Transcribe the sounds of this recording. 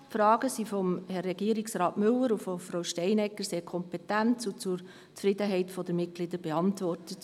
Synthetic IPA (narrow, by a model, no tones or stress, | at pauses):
fɾɑːɡ̥əsifɔmhɛrːɛɡiːɾɪksɾɑːtmɵləɾufɔfɾaʊʃtɛɪnɛkːəɾseːɾkʰɔmpɛtæntsʊt͡sʊɾ | t͡sfɾɪdəɦɛɪtfɔd̥̪əmɪt̚ɡ̥lɪd̪əɾbɛɑntʋɔrtət